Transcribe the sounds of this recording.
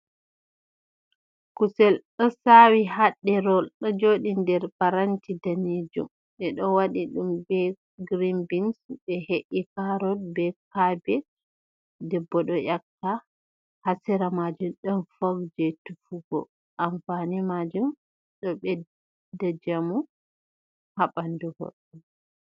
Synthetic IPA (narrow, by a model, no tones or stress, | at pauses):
kusɛlɗɔsawihaɗːɛɾɔlɗɔd͡ʒoɗindɛɾpaɾantidanid͡ʒṵm | ɓɛɗɔwaɗiɗumbɛ | ɡɾimbinsbɛheʔikaɾɔlbɛkabɛ | dɛbːɔɗɔjakta | hasɛɾamad͡ʒumɗɔnfoɡd͡ʒɛtufuɡɔ̰ | ʔamfanimad͡ʒum | ɗɔɓɛ | dad͡ʒamu | haɓanduho̰ɗːum